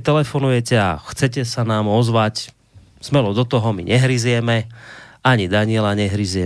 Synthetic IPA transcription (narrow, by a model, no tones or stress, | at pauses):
t̪ɛlɛfɔnujɛcɛa̰xt͡sɛcɛsanaːmɔzʋac | smɛlɔd̪ɔt̪ɔɦɔmḭɲʔɛɦɾizjɛmɛaɲid̪aɲɪɛlaɲɛɦɾizjɛ